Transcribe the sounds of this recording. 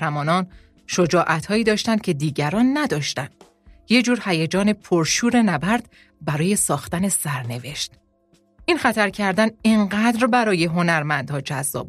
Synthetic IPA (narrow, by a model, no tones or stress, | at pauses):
ɾæmɒːnɒːn | ʃo̞d͡ʒɒːʔæt̪ʰhɒːiːd̪ɒːʃt̪ænd̪̚cʰe̞d̪iːɟæɾɒːnːæd̪ɒːʃt̪ænd̪̥ | jed͡ʒuːɾhæjed͡ʒɒːne̞pʰoɾʃuːɾe̞næbæɾd̪ | bæɾɒːje̞sɒːxt̪ænesæɾne̞ve̞ʃt̪ | ʔinxæt̪ʰæɾcʰæɾd̪æneŋɢæːd̪ɾbæɾɒːje̞ɦo̞næɾmænd̪̥hɒːd͡ʒæzːɒ̰ːb